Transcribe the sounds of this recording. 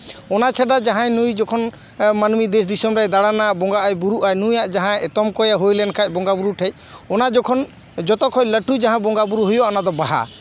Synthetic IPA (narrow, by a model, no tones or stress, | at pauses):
ɔnat͡ʃʰaɖad͡ʒaɦãjnujd͡ʒɔkʰɔn | manmid̪ɛs̬d̪isɔmɾajd̪aɽanabɔŋɡaʔajbuɾuʔajnũjaʔd͡ʒaɦãɛt̪ɔmkɔjaɦojlɛnkʰac̚ˀbɔŋɡabuɾuʈʰɛc̚ˀɔnad͡ʒɔkʰɔn | d͡ʒɔt̪ɔkʰɔcləʈud͡ʒaɦãbɔŋɡabuɾuɦujɔɔnad̪ɔbaɦa̰